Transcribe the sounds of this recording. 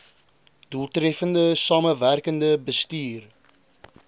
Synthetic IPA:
d̥ulˠtrɛfəndəsɑːməværkəndəbəstyːr

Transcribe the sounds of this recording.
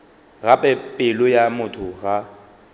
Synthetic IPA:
ɣapʼɛpʼɪlʊjamʊtʰʊɣa

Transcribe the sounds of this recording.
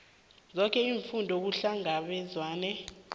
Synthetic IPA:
zɔk̬ɛiːɱfundʱɔk̬uɬaŋaɓɛzwaːnɛ

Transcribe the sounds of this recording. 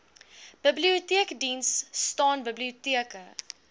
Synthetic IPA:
b̥əbliutiəkdinsːtɑːnbəbliutiəkə

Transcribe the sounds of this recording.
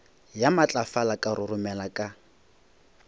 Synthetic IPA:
jamat͡ɬʼafalakʼarʊrʊmɛlakʼa

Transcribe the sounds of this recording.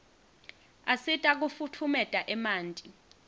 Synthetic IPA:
asitʼak̬ufutʰumɛtʼaʔɛmaːntʼi

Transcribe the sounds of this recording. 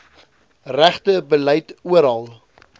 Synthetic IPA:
ræχtəbəlœjtuəɾɑlˠ

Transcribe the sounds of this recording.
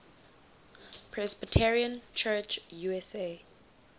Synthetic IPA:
pʰɹɛsbitʰɛɹiə̃nt͡ʃʰɛt͡ʃjuɛse

